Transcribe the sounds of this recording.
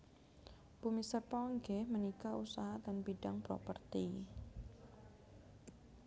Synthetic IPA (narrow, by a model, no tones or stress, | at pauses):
pumisərpɔŋɡɛhmənikausaɦadanbidaŋpɾo̰pərt̪i